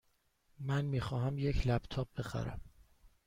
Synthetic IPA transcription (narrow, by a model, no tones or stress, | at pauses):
mænmiːxɒːɦæmjecʰlæb̥t̪ʰɒːb̚be̞xæ̰ɾæ̰m